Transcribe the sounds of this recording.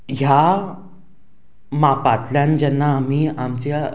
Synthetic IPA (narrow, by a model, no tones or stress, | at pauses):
ɦja | mapat̪ljand͡ʑɛnːaːm̤iːamt͡ɕe